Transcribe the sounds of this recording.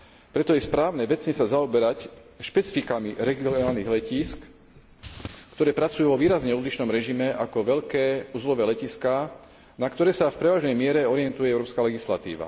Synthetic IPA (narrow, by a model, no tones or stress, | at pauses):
pɾɛt̪ɔjɛspɾaːʊnɛʋɛt͡sɲɛsazaɔbɛɾac | ʃpɛt͡si̥fikamiɾɛɡiɔnaːlniɣlɛciːsk | kt̪ɔɾɛːpɾat͡sujuːʋɔʋiːɾazɲɛɔd̪liʃnɔmɾɛʒimɛakɔʋɛʎkɛːuːzlɔʋɛːlɛciska | nakt̪ɔɾɛːsafpɾɛʋaːʒnɛjmɪɛɾɛɔɾɪjɛnt̪ujɛɛʊɾɔːpskalɛɡisla̰t̪ḭːʋa̰